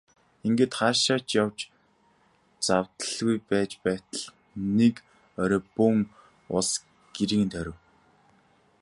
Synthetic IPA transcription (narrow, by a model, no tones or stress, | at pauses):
iŋɡeːt̪χaːʃaːt͡ɕjawt͡ɕ | t͡sawt̪əɮɣujpæːt͡ɕpæːt̪ə̆ɮ | nek | œɾɔːpɵŋ | ʊ̰ɮs | ɡ̥eɾikɘnt̪ʰœɾʲɪ̆w